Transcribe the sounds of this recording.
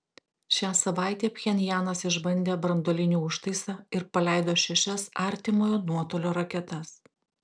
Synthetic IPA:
ʃʲæːsɐʋɑˑɪt̪ʲeːpʲxʲɛnʲjæːnɐsɪʒbɐnʲd̪ʲeːbɾɐnd̪oːlʲɪnʲuːʊʃt̪ɐɪsɑːɪɾpɐlʲæˑɪd̪oːʃʲɛʃʲɛsɑˑɾʲt̪ʲɪmoːjoːnuɔt̪oːlʲoːɾɐkʲɛt̪ɐs

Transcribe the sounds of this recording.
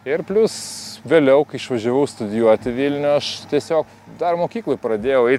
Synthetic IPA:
ɪrpʲlʲʊsʋʲeːlʲɛʊkɐɪɪʃʋɐʒʲɛʋɐʊst̪ʊd̪ʲɪjuɔt̪ʲɪʋʲiːlʲnʲʊɐʃt̪ʲiɛsʲoːk | d̪ɐrmoːkʲiːklˠoːpɾɐd̪ʲeːjɛʊɛɪ

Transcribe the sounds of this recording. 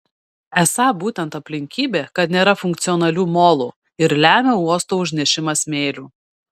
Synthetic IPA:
ɛsɑːbuːt̪ʲɛnt̪ɐpʲlʲɪŋʲkʲiːbʲeːkɐt̪nʲeːɾɐfʊŋʲk̚t̪sʲɪɔnɐlʲuːmoːlˠuː | ɪɾlʲæːmʲɛuɔst̪oːʊʒʲnʲɛʃʲɪmɐsmʲeːlʲuː

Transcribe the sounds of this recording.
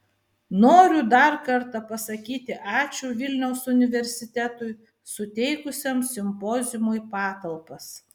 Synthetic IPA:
noːɾʲʊd̪ɐɾkɐɾt̪ɐpɐsɐkʲiːt̪ʲɪʔɑːt͡ʃʲuːʋʲɪlʲnʲɛʊsʊnʲɪʋʲɛɾʲsʲɪt̪ʲæt̪ʊj | sʊt̪ʲɛɪkʊsʲomsʲɪmpɔːzʲɪmʊipɑːt̪ɐlˠpɐs

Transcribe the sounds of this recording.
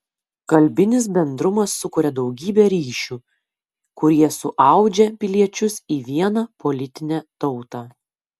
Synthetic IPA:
kɐlʲbʲɪnʲɪs̬bʲɛnd̪ɾʊmɐsːʊkʊɾʲɛd̪ɒʊɡʲiːbʲɛɾʲiːʃʲuː | kʊɾʲiɛsʊʔɑˑʊd͡ʒʲɛpʲɪlʲiɛt͡ʃʲʊsiːʋʲiɛnɑpɔlʲɪt̪ʲɪnʲɛt̪ɔʊt̪ɑ

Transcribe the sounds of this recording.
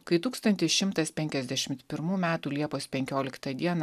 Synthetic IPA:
kɐɪt̪uːkst̪ɐnʲt̪ʲɪsʃʲɪmt̪ɐspʲɛŋʲkʲɛzʲd̪ʲæʃʲɪmt̪pʲɪɾmuːmʲæːt̪uːlʲiɛpoːspʲɛŋʲkʲoːlʲɪkt̪ɐd̪ʲiɛnɐ

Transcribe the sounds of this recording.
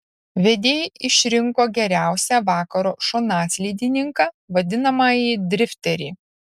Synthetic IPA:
ʋʲɛd̪ʲeːjʔɪʃʲɾʲɪŋkoːɡʲɛɾʲæˑʊsʲæʋɑːkɐɾoːʃonɑːsʲlʲiːd̪ʲɪnʲɪŋkɑː | ʋɐd̪ʲɪnɐmɑːjiːd̪ʲɾʲɪfʲt̪ʲɛɾʲḭː

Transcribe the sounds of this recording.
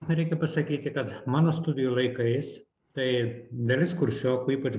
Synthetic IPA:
ɾʲɛɪkʲɛpɐsɐkʲiːt̪ʲɪkɐt̪mɑːnoːst̪ʊd̪ʲɪjulˠɐɪkɐɪs | t̪ɐɪd̪ɐlʲɪskʊɾʲsʲoːkuːiːpɐt͡ʃ

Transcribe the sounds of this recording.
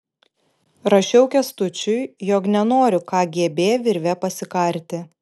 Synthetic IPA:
ɾɐʃʲɛʊkʲɛst̪ʊt͡ʃʲʊɪjoːknʲɛnoːɾʲʊkɑːɡʲiɛbʲeːjʋʲɪɾʲʋʲɛpɐsʲɪkɐɾʲt̪ʲɪ

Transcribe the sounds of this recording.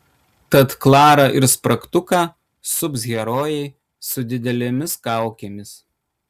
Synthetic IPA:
t̪ɐt̪klˠɑːɾɐʔɪɾspɾɐkt̪ʊkɑː | sʊpsɣʲɛɾoːjɛɪ | sʊd̪ʲɪd̪ʲɛlʲemʲɪskɑˑʊkʲeːmʲɪs

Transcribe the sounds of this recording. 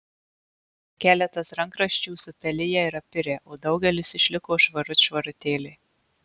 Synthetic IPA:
kʲæːlʲɛt̪ɐsɾɐŋkɾɐʃʲt͡ʃʲuːsʊpʲɛlʲɪjɛɪɾɐpʲɪɾʲeːʔoːd̪ɒʊɡʲɛlʲɪsɪʃʲlʲɪkoːʃʋɐɾʊt̪ʲʃʋɐɾʊt̪ʲeːlʲe

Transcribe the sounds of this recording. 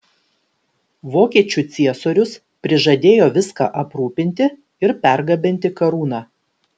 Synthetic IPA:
ʋoːkʲiɛt͡ʃʲuːˑt̪sʲiɛsoːɾʲʊs | pʲɾʲɪʒɐd̪ʲeːjoːʋʲɪskɑ̰ːʔɐpɾuːpʲɪnʲt̪ʲɪ | ɪɾpʲæˑɾɡɐbʲɪnʲt̪ʲɪkɐɾuːnɑː

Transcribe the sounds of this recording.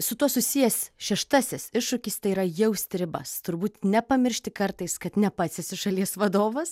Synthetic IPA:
sʊt̪uɔsʊsʲijɛsʲʃʲɛʃt̪ɑsʲɪsɪʃʃʊkʲist̪ɐɪiɾɐjɛʊsʲt̪ʲɾʲɪbɐst̪ʊɾbuːt̪nʲɛpɐmʲɪɾʲʃʲt̪ʲɪkɐrt̪ɐɪskɐt̪nʲɛpɑːsʲɛsʲɪʃɐlʲiɛsʋɐd̪oːʋɐs

